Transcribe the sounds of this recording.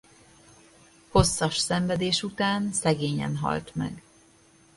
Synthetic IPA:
ho̞sːɒʃsɛɱvɛd̪eːʃut̪aːnsɛɡeːɲɛ̰nɦɒ̰lt̪mɛ̰ɡ

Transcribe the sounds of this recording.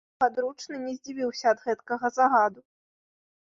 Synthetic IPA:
ad̪ɾut͡ʂnɨnʲɛzʲd͡zʲivʲiwsʲɐːd̪ɣɛt̪kɐɣɐzaɣad̪u

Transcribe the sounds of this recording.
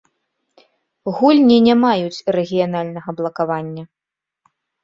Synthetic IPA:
ɣulʲnʲinʲamajut͡sʲrɛɣʲijanalʲnɐɣɐblˠɐkavanʲːɐ

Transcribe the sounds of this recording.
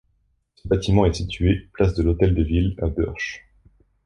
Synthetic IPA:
səbat̪imɑ̃ɛsit̪ɥeplasd̪əlot̪ɛld̪əvila̰bœʁʃ

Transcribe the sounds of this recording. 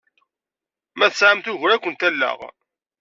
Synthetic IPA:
mæθəsʕamθʊʝɾækʷːənt̪ælːə̰ʁ

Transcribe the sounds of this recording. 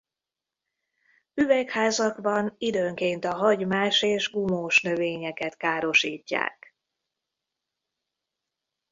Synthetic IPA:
yvɛkhaːzɒɡbɒnid̪øːŋkeːnt̪ɒɦɒɟmaːʃeːʒɡumoːʃnø̞veːɲɛkɛt̪kaːɾo̞ʃiːcːa̰ːk

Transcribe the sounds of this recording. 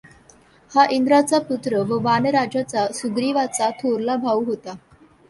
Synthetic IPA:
haʔind̪ɾat͡saput̪ɾəʋəʋanəɾad͡ʑat͡sasuɡɾiʋat͡sat̪ʰoɾlabʱaʋuɦot̪a

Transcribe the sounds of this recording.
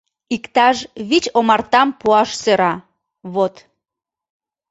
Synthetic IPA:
ikt̪ɑʃβit͡ɕomɑrt̪ɑmpuɑʃsøɾɑ | βot̪

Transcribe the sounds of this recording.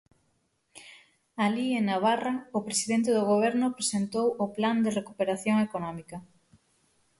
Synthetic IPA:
alienaβ̞araʊpɾesiðent̪eðoɣoβ̞ɛɾnʊpɾesent̪owʊpland̪erekupeɾaθjoŋekonɔmikɐ

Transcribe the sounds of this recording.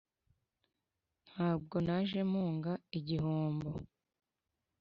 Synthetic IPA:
n̥haːb̚ɡo̞naʒe̞muːŋɡaiɟiɦoːmbo

